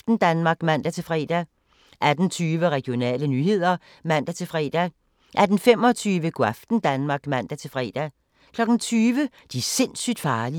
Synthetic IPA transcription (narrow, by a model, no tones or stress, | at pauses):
fd̥n̩d̥ænmɑ̈ːɡ̥mæn̰d̥æt͡sʰe̝lfʁɛ̰ːd̥æ | ʔæd̥n̩t͡sʰyːʋəʁɛɡ̥ijo̝nɛ̰ːlənyːhe̝ð̰ˠɐ | mæn̰d̥æt͡sʰe̝lfʁɛ̰ːd̥æ | ʔæɐd̥n̩fem̰ɒ̽t͡sʰyːʋəɡ̥oæfd̥n̩d̥ænmɑ̈ːɡ̥mæn̰d̥æt͡sʰe̝lfʁɛ̰ːd̥æ | kʰlɒ̽ɡ̥n̩t͡sʰyːʋə | d̥ise̝n̰syd̥fɑ̈ːli